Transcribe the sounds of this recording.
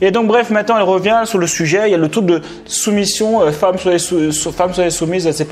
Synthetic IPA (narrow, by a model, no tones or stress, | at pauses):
ed̪ɔ̃k̚bʁɛfmɛ̃t̪nɑ̃ɛlʁəvjɛ̃syʁləsyʒɛiljalət̪ud̪ə | sumisjɔ̃øfamswaɛsusfamswaɛsumizɛsɛp